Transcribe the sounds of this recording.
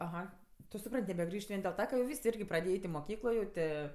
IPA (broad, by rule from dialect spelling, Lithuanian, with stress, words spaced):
ɐˈɣɐ tʊ sʊˈprɐnʲtʲ nʲɛbʲɛˈɡrʲiːʃt ˈʋʲiɛn dʲeːlˠ ˈtɐ kɐ jɛʊ ˈʋʲiːs ɪrʲɡʲɪ prɐˈdʲeːjɛ ˈɛɪtʲ ɪ moːˈkʲiːklˠoː jɛʊ ˈtʲeː